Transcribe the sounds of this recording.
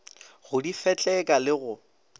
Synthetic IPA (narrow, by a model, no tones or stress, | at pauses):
ɣʊdifɛt͡ɬʼɛkʼalɪɣʊ